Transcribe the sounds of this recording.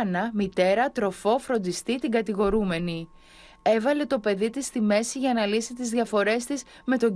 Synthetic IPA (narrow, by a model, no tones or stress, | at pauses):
nɐmit̪e̞ɾɐt̪ɾo̞fo̞fɾo̞nd̪ist̪it̪iɡɐt̪iɣo̞ɾume̞ni | e̞vɐle̞t̪o̞pe̞ðit̪ist̪ime̞siʝɐnɐlisit̪izðʝɐfo̞ɾe̞st̪iz | me̞t̪o̞